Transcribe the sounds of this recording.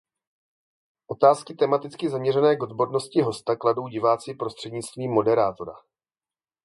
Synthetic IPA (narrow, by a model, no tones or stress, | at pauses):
ʔo̞t̪aːskɪt̪ɛmat̪ɪt͡skɪzamɲɛrɛnɛːɡo̞d̪bodno̞scɪɦo̞st̪akladowɟɪvaːt͡siːpɾo̞st̪r̥ɛdɲɪt͡st̪viːmːo̞dɛɾaːt̪o̞ɾa̰